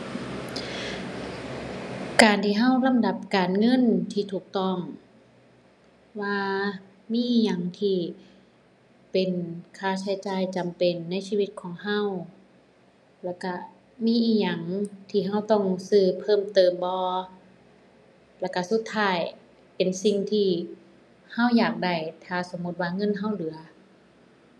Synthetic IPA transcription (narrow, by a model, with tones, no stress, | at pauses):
kaː˨˩nt̪ʰiː˧ɦa˧˥˩wla˧˥˨mda˧˩p̚kaː˨nŋɤ˧˥˨nt̪ʰiː˧˩t̪ʰuː˨˩k̚t̪ɔ˧˩ŋ | waː˧ | miː˧˥˨ʔiː˧˩ɲa˨˩ŋt̪ʰiː˧˩ | pe˨nkʰaː˧˩t͡ɕʰa˧˩jt͡ɕaː˨˩jt͡ɕa˨mpe˨˩nːa˧˥˨jsiː˧˨wi˧˥t̪̚kʰɔː˨˦ŋɦa˧˥˨w | lɛ˧˩wka˧˩ | miː˥˨ʔiː˧˩ɲa˨˩ŋt̪ʰiː˧ɦa˧˩˨wt̪ɔ˧˩ŋsɯː˧˩pʰɤː˧˥˨mt̪ɤː˨˩mbɔː˧ | lɛ˧˩ka˧su˧˦t̪ʰːaː˧˥˩j | pe˨nsi˧ŋt̪ʰiː˧ | ha˧˥˨wjaː˨˩k̚da˧˩jt̪ʰaː˧˩so˧˦mːu˧t̪̚waː˧ŋɤ˧˥˨nɦa˧˥˩wlɯ˨˩˦ɐ